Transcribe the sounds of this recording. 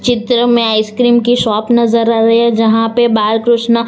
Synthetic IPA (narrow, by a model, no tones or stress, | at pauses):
t͡ʃɪt̪ɾəmẽaːɪskɾiːmkiʃɔːpnɐzəɾaːɾɐad͡ʒɐɦãpebaːlkɾʊʃnə